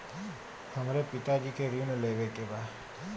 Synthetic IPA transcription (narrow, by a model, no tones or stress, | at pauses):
həmɾepit̪ad͡ʒikʰeɾineləjbekeba